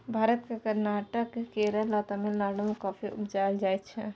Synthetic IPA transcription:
bʱaːɾət̪kakəɾnaːʈəkkeːɾəlat̪ɐmelnaːɽəmẽkaːfʰiʊbd͡ʒaːjəd͡ʒaːet͡ʃʰe

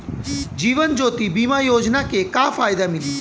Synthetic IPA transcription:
d͡ʒiːʋənd͡ʒoːt̪ibiːmajoːd͡ʒnakekafaːjd̪amɪli

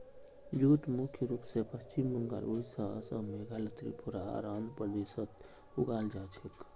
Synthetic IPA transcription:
d͡ʒuʈmukʰjəɾuːpsepəst͡ʃimːəŋɡa̰loisa̰sə̰bmeɡalət̪ɾḭpuɾaa̰ɾaːmpɾəd̪esət̪ | uɡaːld͡ʒat͡ʃʰik

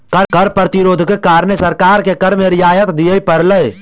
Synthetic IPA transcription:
kəɾkəɾpɾət̪ɪɾoːd̪ʱkekaːɾnesɐɾkaːɾkekəɾmẽɾɪjaːjət̪d̪ijəipəɾləe

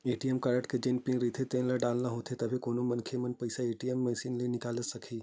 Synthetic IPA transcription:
eːʈijemkɐɾəʈked͡ʒenpĩŋɡɾiːt̪ʰet̪ẽnlɐɖaːlnaɦoːt̪ʰet̪ɐbʱikoːnomɐnkʰemɐnpɐɪsaeːʈijemːɛːsiːnlenɪkaːləsɐkʰiː

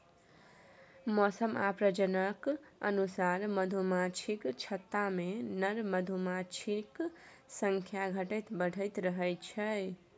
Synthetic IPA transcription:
mɔsəmapɾəd͡ʒənəkə̰nusaɾməd̪ʱumat͡ʃʰikt͡ʃʰət̪ːamenəɾməd̪ʱumat͡ʃʰik | sə̃ŋkʰjaɡʱəʈəjt̪bəɽ̤ʱəɪt̪ɾəɦəjt͡ʃʰəj

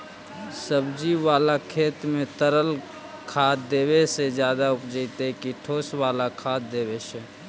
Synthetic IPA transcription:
səbd͡ʒiwaːlakʰeːt̪mẽt̪əɾəl | kʰaːt̪d̪eːwesed͡ʒjaːd̪aʊpd͡ʒəɪt̪ekiʈʰoːswaːlakʰaːd̪eːweʃɛ

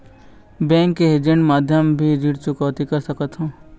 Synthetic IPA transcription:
bɛ̃ːŋkːeɦed͡ʒẽɳʈmaːd̪ʱjəmbʱid͡ʒiʈt͡ʃukɔːt̪ikəɾsəkət̪ɦũː

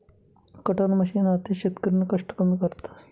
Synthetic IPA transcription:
kəʈənməɕiːnat̪eɕet̪kəɾinəkəʂʈəpənd̪kəɾt̪ḁ

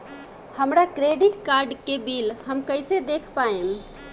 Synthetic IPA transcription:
həmɾakɾeɖiʈkaɾɖkebilɦəmkəɪjsed̪ekʰpaem

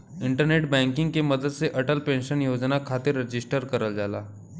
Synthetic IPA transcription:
iɳʈəɾneʈ̚bɛ̃ŋkiŋɡkeməd̪ʱəd̪t͡seʔəʈəlpenɕənjod͡znakʰat̪iɾːəd͡ʑisʈəɾkəɾəld͡zala̰

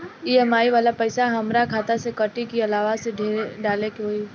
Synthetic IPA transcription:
iɛmaːiʋaːlapɐɪsaɦɐmɾakʰaːt̪asekɐʈikiɐlaːʋaseɖʱeːɖaːlekeɦoːi

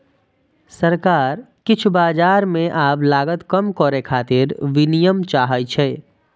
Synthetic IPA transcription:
sɐɾkaːɾ | kɪt͡ʃʰbaːd͡ʒaːɾmẽʔaːplaːɡət̪kəmkɔːɾekʰaːt̪ɪɾʋɪnijəmt͡ʃaːɦəjt͡ʃʰɛː

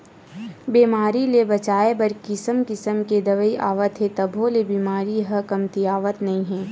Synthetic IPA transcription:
biːmaːɾilebɐt͡ʃaːebɐɾkɪsəmkɪsəmked̪ɐʋəiʔa̰ːʋət̪ɦɛ̃t̪ɐbʱõlebiːmaːɾiɦɐkɐmt̪iaːʋət̪nɐɦĩɦɛ̃ː

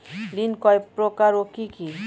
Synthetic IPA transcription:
linkɔjpɾokaɾokiki

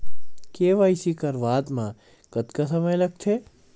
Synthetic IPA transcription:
keːʋaːɪsikɐɾʋaːd̪mã | ɡ̥ɐt̪kasɐməjlɐɡ̚t͡ʃ̪ʰeː

